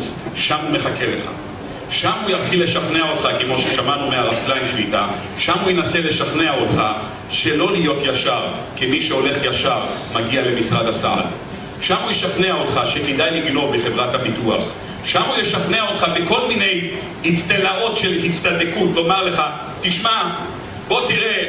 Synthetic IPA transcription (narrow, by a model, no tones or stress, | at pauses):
ʃamume̞χakele̞χa̰ | ʃamujaχilːe̞ʃaχneaot̪χakemo̞ʃeʃamanumeaʁaslajnʃlit̪a | ʃamujenase̞le̞ʃaχneaotχa | ʃe̞lo̞lijo̞tjaʃaʁ | kimiʃeo̞le̞χjaʃaʁmaɡiale̞misʁad̪asa̰ʔa̰l | ʃamujeʃaχneaot̪χaʃeked̪ajliɡlo̞beχe̞vʁathabitua̰χ | ʃamujeʃaχneaot̪χabeko̞lmine̞j | hit͡st̪enao̞tʃe̞lhit͡st̪ad̪ekutlo̞maʁle̞χa | t̪iʃma | b̥o̞t̪iʁe̞